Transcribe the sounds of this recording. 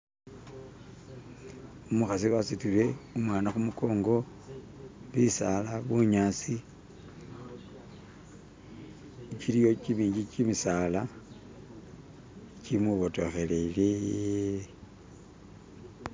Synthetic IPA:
umuxasiwasitiβe̞umwaːnaxumuko̞ːŋɡo̞ | βisalaβuɲaːsi | t͡ʃilijo̞t͡ʃimiːɲɟit͡ʃimisala | t͡ʃimuβoto̞xeleli

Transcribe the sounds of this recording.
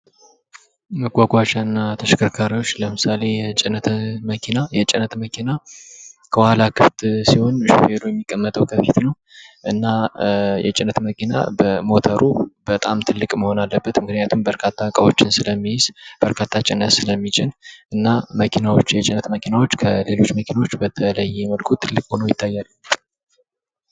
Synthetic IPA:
məɡʷaɡʷat͡ʃaɨnːat̪ʰəʃəkʰəɾkʰaɾiwo̞t͡ʃːləmɨsale̞jɛt͡ʃʼɪnət̪məkʰinajɛt͡ʃʼɪnət̪məkʰina | kʰəwalakʰɨft̪siho̞nʃfed̪ojɛmːikʼːəmːət̪ʼəwkʰəfit̪nəw | ʔɨnːajɛ̰t͡ʃʼɪnːət̪məkʰina̰bəmo̞t̪ʰəɾʔubət̪ʼamt̪ʰɨlːɨkʼməho̞nalːəbːət̪mɨknnjat̪ʰumbəɾkʰat̪ʰːakʼəβo̞t͡ʃːɪnsɨləmːijɪz̥b̥əɾkʰat̪ʰːat͡ʃʼɪnːət̪sɨləmːit͡ʃʼɪnʔɨnːaməkʰinawo̞t͡ʃːjɛt͡ʃʼɪnət̪məkʰinawo̞t͡ʃːkʰəle̞lo̞t͡ʃːməkʰinawo̞t͡ʃːbət̪ʰələjːɛɛməlkʰut̪ʰɨlːɨkʼho̞nəjɪt̪ʰːajːalːə

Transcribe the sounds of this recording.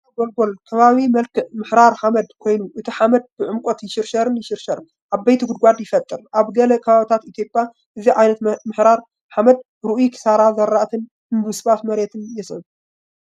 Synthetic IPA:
ɡolɡolkʰɐβaβimɐlkʰɨmɨħɾaɾħamɐd̪kʰo̞jnuʔɨt̪ʰiħamɐd̪̚bɨʕɨmkʷʼot̪jɪʃɪɾʃɐɾɨnjɪʃɪɾʃɐɾ | ʔaβːɐjt̪ʰiɡʊd̪̚ɡʷad̪jɪfɐt̪ʼːɨɾʔaβɡɐlɐkʰɐβaβit̪ʰat̪it̪ʰjo̞pʼja | ʔɨziʕajnɐt̪mɨħɾaɾ | ħamɐd̪̚ | ɾɨʔujikʰɨ̥saɾazɐɾːaʔt̪ʰɨn | ɨnbɨsɨβat̪mɐɾet̪ʰɨnjɛsɨβ

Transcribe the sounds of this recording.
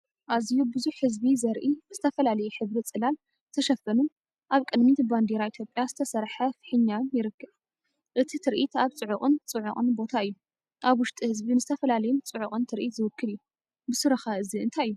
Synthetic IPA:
ʔazijubɨzuħhɨzbizɐɾʔizɨt̪ʰɐfɐlalɐjuħɨβɾit͡sʼɨlal | t̪ʰɐʃɐfːɐnun | ʔaβkʼɨd̪mit̪band̪iɾait̪ʰjo̞pʼjazɨt̪ʰɐsɐɾħɐfħɨɲːanjɪɾɨkːɨβ | ʔɨt̪ʰit̪ʰɨɾʔit̪aβt͡sʼɨʕʊχʼɨnt͡sʼɨʕʊχʼɨnbo̞t̪ʰaɨjːu | ʔaβwʊʃt̪ʼihɨzbinzɨt̪ʰɐfɐlalɐjunt͡sʼɨʕʊχʼɨnt̪ʰɨɾʔit̪zɨwʊkːɨlɨjːu | bɨsɨɾɐxaʔɨziɨnt̪ʰajɨju

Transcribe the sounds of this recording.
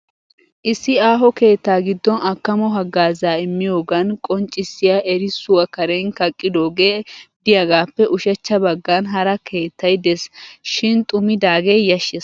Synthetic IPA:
ʔɪsːɪaːɦɔke̞ːt̪ːaːɡɪd̪ːɔnʔɐkːɐmɔɦɐɡːaːzaːɪmːɪjo̞ːɡɐnkʼɔnt͡ʃʼːɪsːɪjaʔɛɾɪsʊwɐkɐɾenkɐkʼːɪd̪o̞ːɡeːd̪ɪjɐɡaːpːɛʔʊʃɛt͡ʃːɐbɐɡːɐnɦɐɾɐkʰe̞ːt̪ːɐjd̪ɛsʃɪnt̪ʼʊmɪd̪aːɡeːjɐʃːɛs

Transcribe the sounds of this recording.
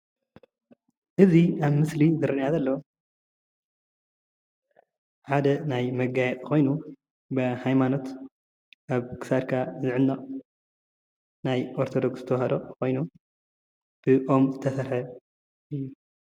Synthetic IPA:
ʔɨziʔaβmɨslizɨɾɨnjazɐlːɐ | ħad̪ɐnajmɐɡajɛt̪ʼkʰo̞jnu | bɐhajmano̞t̪ | ʔaβkʰɨ̥sad̪ɾkʰazɨʕɨnːɐχʼ | najʔo̞ɾt̪ʰod̪o̞kszɨt̪ʰɐwhɐd̪o̞kʰo̞jnu | b̥ɨʔo̞mzɨt̪ʰɐsɐɾħɐ | ʔɨjːu

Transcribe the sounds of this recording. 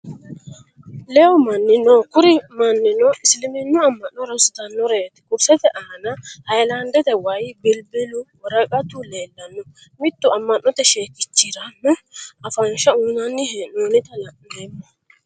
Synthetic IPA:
lɛɔmɐnːɪnokʊɾɪmɐnːɪnɔʔɪslɪmɪnːʊɐmːɐnːɔɾɐsʊ̥t̪ɐnːɔɾeːt̪ɪ̥kʼʊɾsɛt̪ɛʔaːnɐhɐjlɐnd̪ɛt̪ɛwɐjbɪlbɪlʊwɔɾɐkʼɐt̪ʊleːlːɐnːɔ | mɪt̪ːʊɐmːɐnːɔt̪ɛʃeːkːɪt͡ʃːɪɾɐmːɛɐfɐnʃɐuːnɐnːɪhenoːnɪt̪ɐlɐ | dɛmːɐ

